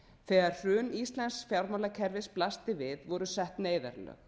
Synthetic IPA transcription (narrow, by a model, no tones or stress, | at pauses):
θɛːɣaɾ̥r̥ʏːnist̪lɛnsfjawɾmalakʰɛɾvɪsplast̪ɪvɪðvɔɾʏsɛht̪neːjða̰ɾlœ̰ɣ